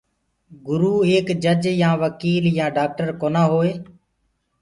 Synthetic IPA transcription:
ɡʊɾuːeːkd͡ʒəd͡ʒjãːʋəkiːljãːɖaːk̚ʈəɾkoːnãːɦoːeː

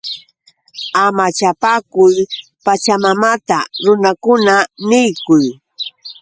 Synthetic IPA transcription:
amat͡ʃapakʊj | pat͡ʃamamat̪aɾʊnakʊnanɪjkʊj

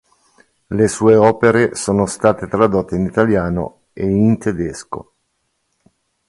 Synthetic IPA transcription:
lesuːeɔːpeɾesoːnost̪aːt̪et̪ɾad̪ot̪ːeinit̪aljaːno̰ | eint̪ed̪esko̰

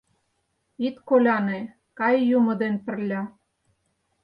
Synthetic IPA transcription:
it̪kolʲɑne | kɑjːumɤ̆d̪enpɘ̆rlʲɑ

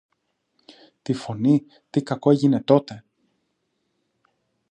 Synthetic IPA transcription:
t̪ifo̞ni | t̪ikɐko̞eʝine̞t̪o̞t̪e̞

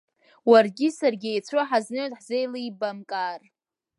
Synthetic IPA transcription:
warɡʲɪsarɡʲejt͡sʷʰaħaznɨtʼħze̞jliibamkʼar

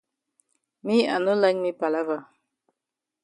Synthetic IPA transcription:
mianolaŋmipalava

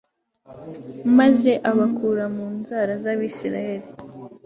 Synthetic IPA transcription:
maze̞ʔaβakʰuːɾamuːnzaɾazaβisiɾa̰he̞ɾi

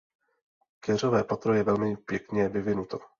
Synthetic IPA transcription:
kɛr̝ovɛːpat̪ɾojɛvɛlmɪpjɛkɲɛvɪvɪnut̪o

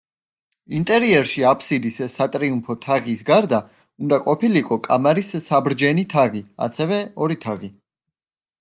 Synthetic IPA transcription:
int̪ʼɛɾiɛɾʃiapʰsid̪issat̪ʼɾiumpʰɔt̪ʰaʁisɡaɾd̪a | und̪aqʼɔpʰiliiqʼɔkʼamaɾisːabɾd͡ʒɛnit̪ʰaʁia̰t̪sʰɛvɛɔɾit̪ʰaʁi

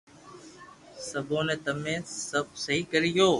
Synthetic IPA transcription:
səbʱõːnẽːt̪əmẽːsəb̚səɦiːkəɾɪjoː

